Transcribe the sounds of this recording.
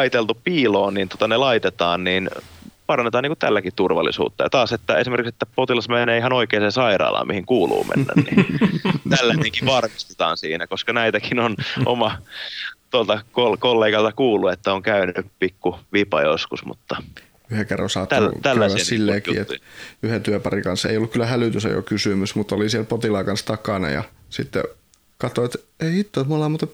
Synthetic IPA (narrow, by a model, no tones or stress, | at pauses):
ɑit̪elt̪upiːloːnniːnt̪o̥t̪ɑnelɑit̪et̪ɑːnniːnpɑrɑnːet̪ɑːnːiːkut̪t̪ælːækitt̪urʋɑ̰lːḭsṵːt̪ːɑjɑ̰t̪ɑːset̪ːæesimerkikset̪ːæpot̪ilɑsmeneːihɑnoikeːnsensɑirɑ̰ːlɑ̰mihiŋkuːlṵːmʔḛnːæ̰nnḭ | t̪ælːæneŋkiʋɑrmist̪e̥t̪ɑ̰ːnsḭːnækoskɑnæit̪ækinonʔo̰mɑ | t̪uolt̪ɑkolkolːeːɡɑlt̪ɑkuːlːˑuet̪ːæoŋkæynypikːuʋipɑjoskusmṵt̪ːɑ | yheŋkerːɑ̰nsɑːt̪ːælːææssilːeːk̪ḭːet̪yhet̪yøpɑrikɑnsḛiolːukylːæhælyt̪ysæ̰jo̰kysymysmut̪ːolisiɛlpot̪ilɑːkɑnst̪ɑkɑˑnɑ̰jɑ̰sit̪ːḛ | kɑt̪oet̪eiit̪ːoˑt̪molɑmut̪e